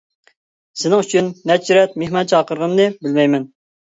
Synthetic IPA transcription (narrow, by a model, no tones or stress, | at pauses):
sɪnɪŋyt͡ʃʰynmɛd͡ʒt͡ʃɾɛt̪̚mehmɑnt͡ʃʰɑːqəɾʁənnɨbɪlmɛjmɛn